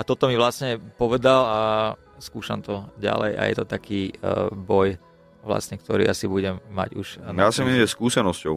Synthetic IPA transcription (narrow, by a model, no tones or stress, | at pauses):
at̪ɔt̪ɔmiʋlasɲɛpɔʋɛd̪ala | skuːʃamt̪ɔɟa̰lɛ̰jʔa̰jɛ̰t̪ɔt̪akiːbɔj | ʋla̰sɲɛkt̪ɔɾḭːʔasibuɟɛmːa̰ɟuʒaːsimiɛskuːsɛnɔscɔʊ